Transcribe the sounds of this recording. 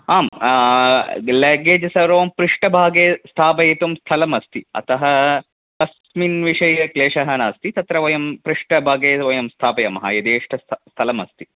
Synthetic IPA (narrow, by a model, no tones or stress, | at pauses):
aːm | lɐɡeːd͡ʒɐsɐɾoːmpɾiʂʈɐbʱaːɡeːst̪ʰaːpɐjit̪umst̪ʰɐlɐmɐst̪iɐ̰t̪ɐɦɐ | k̪ɐs | minʋiʂɐjɐkleːʂɐɦɐnaːst̪it̪ɐt̪ɾɐʋɐjɐmpɾiʂʈɐbʱaːɡeːʋɐjɐmst̪ʰaːpɐjɐmɐɦɐ̰jɐd̪eːʂʈʰɐst̪ʰɐlɐmɐst̪i